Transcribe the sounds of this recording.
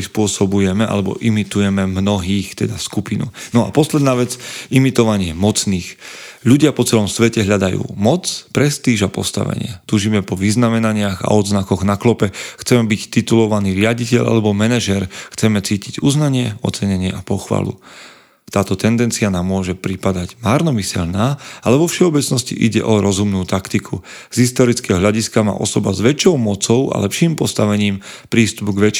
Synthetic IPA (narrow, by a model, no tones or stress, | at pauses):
spʊɔsɔbujɛmɛʔa̰lɛbɔ̰ʔimit̪ujɛmɛmnɔɦiːxt̪ɛd̪askupinṵnɔa̰pɔslɛd̪naːʋɛt͡simit̪ɔʋaɲɪɛmɔt͡sniːxʎuɟɪapɔt͡sɛlɔmsʋɛcɛɦʎad̪ajṵːmɔt͡spɾɛst̪iːʒapɔ̰st̪a̰ʋɛ̰ɲɪɛ̰t̪uːʒimɛpɔʋiznamɛnaɲɪaɣa̰ɔd̪znakɔɣnaklɔpɛxt͡sɛmɛbict̪it̪ulɔʋaniːɾɪaɟicɛʎʔa̰lɛbɔmɛnɛʒɛɾxt͡sɛmɛt͡siːciɟuznaɲɪɛɔ̰t̪t͡sɛɲɛɲɪɛʔapɔxʋa̰ːlṵ | t̪aːt̪ɔt̪ɛnd̪ɛnt͡sianaːmːʊɔʒɛpɾipad̪aɟmaɾnɔmisɛ̰ʎnaːalɛʋɔfʃɛɔbɛt͡snɔscḭʔiɟɛ̰ʔɔɾɔzumnuːt̪akt̪ikʰu | z̥ɦist̪ɔɾit͡skɛɦɔɦlʎaɟiskama̰ːʔɔsɔbazʋɛt͡ʃɔʊmɔt͡sɔʊa̰lɛpʃiːmpɔst̪aʋɛɲiːmpɾiːst̪upɡʋɛt͡ʃ